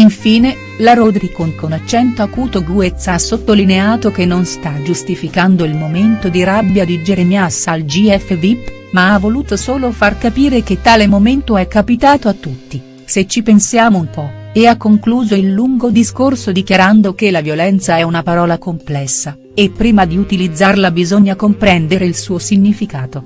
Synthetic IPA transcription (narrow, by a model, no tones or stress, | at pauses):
iɱfiːne | laɾod̪ɾikoŋkonat͡ʃːɛnt̪oakuːt̪oɡuet̪sːasːot̪ːolineaːt̪okenːonst̪ad͡ʒust̪ifikand̪oilmoment̪od̪iɾabːjad̪id͡ʒeɾemjasːald͡ʒiɛfːevipː | maavːoluːt̪osoːlofarkapiːɾek̟et̪ːaːlemoment̪oɛkːapit̪aːt̪oat̪ːut̪ːi | set͡ʃːipensjaːmoumpɔeakːoŋkluːzoilːuŋɡod̪iskorsod̪ikjaɾand̪ok̟elavjolɛnt̪saɛunapaɾɔːlakomplɛsːa | epːɾiːmad̪iut̪ilid̪zːarlabizoɲːakompɾɛnd̪eɾeilsuːosiɲːifikaːt̪o